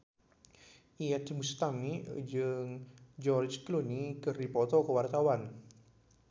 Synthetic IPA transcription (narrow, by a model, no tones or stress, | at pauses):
iɛt̪must̪amid͡ʒəŋd͡ʒɔrd͡ʒklunikəripɔt̪ɔkəwart̪awan